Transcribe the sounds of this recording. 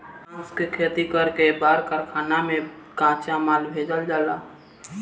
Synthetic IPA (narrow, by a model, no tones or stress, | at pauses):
ʊskekʰeːt̪ikəɾkebaːɾkəɾkʰaːnamẽ | kãːt͡ʃamaːlbʱeːd͡ʒəld͡ʒaːla̰